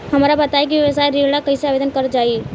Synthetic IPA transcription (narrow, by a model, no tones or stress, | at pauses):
həmɾabət̪aek̬ieʋəsajɾiɽakəjseabed̪ənkəɾəd͡ʒai